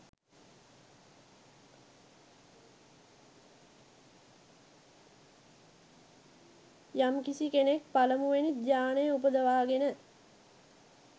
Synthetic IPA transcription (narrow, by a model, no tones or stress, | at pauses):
jamkisikenek̚paləmuʋenit̪̚d͡ʒjaːnəjəupəd̪əʋaːɡenə